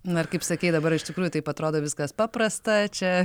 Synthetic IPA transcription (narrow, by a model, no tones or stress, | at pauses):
nʊɐrkɐɪpsɐkʲɛɪd̪ɐbɐɾɪʃt̪ʲɪkɾuːjʊt̪ɐɪpɐt̪ɾoːd̪oːʋʲɪskɐspɑːpɾɐst̪ɐt͡ʃʲɛ